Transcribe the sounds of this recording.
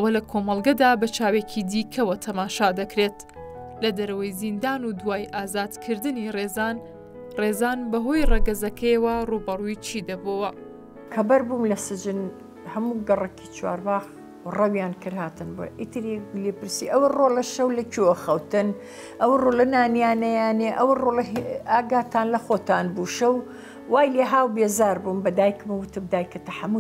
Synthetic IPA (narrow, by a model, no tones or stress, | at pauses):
ɐwɐlɐkʰomɐlˠɡɐd̪aːbɐt͡ʃaːwecʰid̪iːkʰɐwɐt̪ʰɐmaːʃaːd̪ɐkɾeːt̪ | lɐd̪ɐɾɐwɐjzind̪aːnud̪waːjʔaːzaːd̪̥kʰɨɾd̪ɨnireːzaːn | rezaːnbɐɦo̞jreɡɐzɐkʰɐjɐwɐrubɐrujt͡ʃʰiːd̪ɐbowɐ | kʰɐbɐɾbuːmlɐsɨd͡ʒɨn | hɐmuːɡɐrɐkʰit͡ʃʰwa̰ːɾbaːɣ | rɐwjaːnkɨɾhaːt̪ɨnbo̰j̰ʔit̪ʰɨɾileːpɨɾsiːʔɐwɐroːlɐʃɐwlɐt͡ʃʰiwɐxɐwt̪ɨn | ʔɐwrolɐnaːnijaːnɐjaːneʔɐwrolɐaːɡaːt̪ʰaːnlɐxoːt̪aːnbuːʃɐw | waːjleːɦaːwbeːzaːɾbuːmbɐd̪aːjkmɐwʊt̪ɨmd̪aːjkʰɐt̪ɐħamu